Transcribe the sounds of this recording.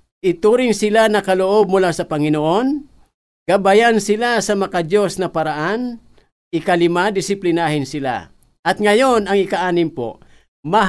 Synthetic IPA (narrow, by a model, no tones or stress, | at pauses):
ʔɪt̪uːɾɪŋsɪlanɐkɐloʔo̞b̚mʊlasɐpɐŋɪnoʔo̞n | ɡɐbajansɪlasɐmɐkad͡ʒo̞snɐpɐɾaʔan | ʔɪkɐlɪmad̪ɪsɪplɪnaːɦɪnsɪla̰ | ʔɐt̪̚ŋɐjo̞nɐŋɪkaʔaːnɪmpo̰ | mɐ